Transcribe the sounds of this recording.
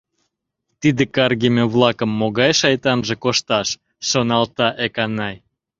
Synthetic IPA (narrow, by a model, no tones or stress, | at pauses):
t̪id̪ekɑrɣemʲeβlɑkəmːoɣɑjʃɑjt̪ɑnʒekoʃt̪ɑʃː | onɑlt̪ɑʔekɑnɑj